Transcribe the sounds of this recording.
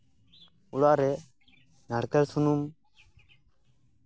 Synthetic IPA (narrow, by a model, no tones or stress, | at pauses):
uɽaʔɾɛ | naɽkɛlsunum